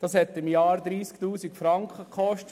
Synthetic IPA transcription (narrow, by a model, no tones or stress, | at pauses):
d̥ɑːshɛt̪ɪmjɑːɾd̪ɾiːsktuːsikfɾɑŋkχəkʰχɔʃt